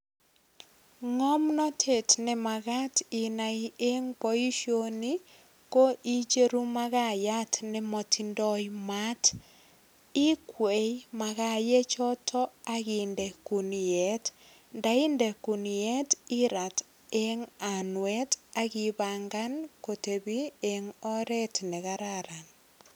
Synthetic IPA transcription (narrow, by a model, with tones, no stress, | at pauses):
ŋɔ˦mnɔ˦tʰe˨tnɪ˦ma˨ɡa˦ti˨na˨ie˦ŋpo˦i˦ʃo˦ni | ko˦ʔi˦t͡ʃe˦ɾu˦ma˦ɣa˦ja˦tʰnɪ˦mɔ˨tʰi˨ndɔ˦jma˦t | ɪ˦kwe˨jma˨ɣa˨je˦t͡ʃɔ˦tʰɔ˦a˦ɣɪndɛ˨ku˨njɛ˦t | nda˨i˦ndɛ˨ku˨njɛ˦ti˦ɾa˨t | e˦ŋa˨nwɛ˦ta˦ɣi˨βaŋɡa˦nko˨te˨bi˦eŋɔ˦ɾɛ˦tnɛ˨ɣaɾaɾa˨n